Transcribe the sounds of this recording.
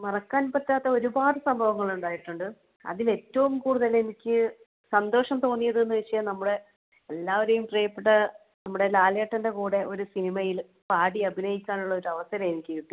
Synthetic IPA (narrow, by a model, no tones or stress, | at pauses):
mɐrɐkːaːnpɐtːaːt̪ːɐo̞ɾubaːðɐsɐmbʱɐʋɐŋːɐɭuɳɖaːjiʈːuɳɖɨ | ɐ̰ðile̞tːɐʋumkuːɽuðɐle̞nikʲːɨ | sɐnd̪o̞ːʂɐmt̪o̞ːnːijɐðuenːɨʋiʂɐjɐmnɐmːuɽe̞ː | lːaːʋɐɾejumprejɐpːeʈːɐ | nɐmːuɽe̞laːleːʈːɐndekuːɽe̞ʔo̞ɾusinimɐjil | paːɽiɐbʱinɐjikʲːaːnuɭːɐo̞ɾuɐʋɐsɐɾɐmenikʲːɐiʈːu